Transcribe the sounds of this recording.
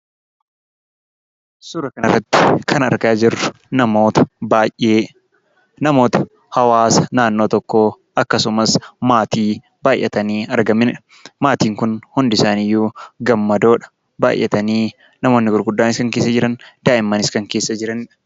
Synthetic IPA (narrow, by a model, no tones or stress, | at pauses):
sʊɾɐkɐnɐ̰rːɐt̪ːɪ̥kʰɐnɐ̰ɾɡaːd͡ʒɪrɐ | nɐmoːt̪ɐ̥bajeː | nɐmo̞ːt̪ɐ̥ | hɐwaːsɐ̥naːnːo̞ːt̪ɔkːoː | ɐkːɐsʊmɐsmaːt̪iː | baːjʔːɐt̪ɐniːɐɾɡɐmːɪnᶑɐ̥ | maːt̪iːŋkʊnhʊnd̪ɪsaːnɪjːuːɡɐmːɐd̪o̞ːᶑɐ̥ | ba̰ːjʔɛ̰t̪ɐniː | nɐmo̞ːnːɪɡʊɾɡʊd̪ːaːnɪskɐŋkeːsːɐd͡ʒɪɾɐnd̪aːʔɪmːɐnɪskɐŋke̞ːsːɐd͡ʒɪɾɐnɪᶑɐ̥